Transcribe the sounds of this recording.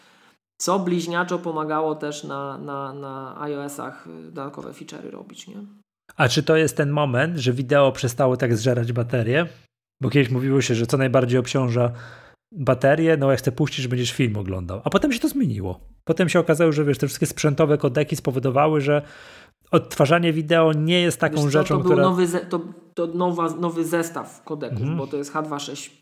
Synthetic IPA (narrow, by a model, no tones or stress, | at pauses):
t̪sɔblʲiʑɲat͡ʂɔpɔmaɡawɔt̪ɛʂnananaa̰jɔɛsa̰xd̪ɔd̪at̪̚kɔ̰vɛ̰fʲit͡ʂɛ̰ɾɘ̰ɾɔ̰bʲit͡ɕɲɛ | at͡ʂɘt̪ɔjɛst̪ːɛnmɔmɛnt̪ʐɛvʲid̪ɛɔpʂɛst̪awɔt̪aɡzʐɛɾad͡ʑbat̪ɛɾjɛ | bɔkʲɛd̪ɘɕmuvʲiwɔɕɛʐɛt̪sɔnajbaɾd͡ʑejɔpt͡ɕɔ̃w̃ʐa | bat̪ɛɾʲjɛnɔjakxt̪sɛpuɕt͡ɕid͡ʑʐbɛɲd͡ʑɛʂfʲilmɔɡlɔ̰nd̪a̰wapɔt̪ɛmɕɛt̪ɔzmʲjeɲḭwɔ̰pɔt̪ɛmɕɛɔkazawɔʐɛvʲjɛʂt̪ɛfʂɘ̥st̪kʲɛspʂɛnt̪ɔvɛkɔd̪ɛkʲispɔvɔd̪ɔvawɘʐɛ | ɔt̪ːfaʐaɲɛvʲid̪ɛɔɲɛjɛst̪ːaɔ̃w̃ʐɛt͡ʂɔ̃ɔ̃ktb̪uɾɛɔvɘzɛt̪ɔt̪ɔnɔvanɔvɘzɛst̪a̰fkɔd̪ɛkuvmbɔt̪ɔjɛst̪xad̪vaʂɛɕt͡ɕ